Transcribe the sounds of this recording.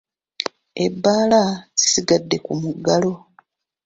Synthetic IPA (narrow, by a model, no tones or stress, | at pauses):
e̞bːaːlazi̥siɡadːe̞kumuɡːalo̞